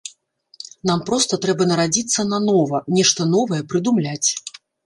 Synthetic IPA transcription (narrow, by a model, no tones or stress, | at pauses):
nampɾɔst̪ɐt̪ɾɛbɐnɐɾad͡zʲit̪sːɐnɐnɔvɐnʲɛʂt̪ɐnɔvɐjɛpɾɨd̪umlʲat͡sʲ